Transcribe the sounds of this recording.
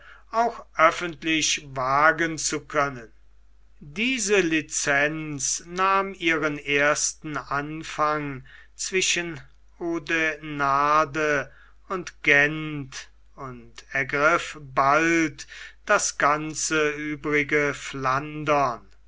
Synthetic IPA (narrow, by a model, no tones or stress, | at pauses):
aʊxʔœfəntlɪʃvaːɡənt͡sukʰœnən | diːzəlit͡sɛnt͡snaːmiːʁəneɐstn̩anfaŋt͡sv̥ɪʃən | oːdenaːdə | ʊntɡ̥ɛnt | ʊntɛɐɡʁɪfbaltd̥asɡ̥ant͡səyːbʁɪɡəflandɐn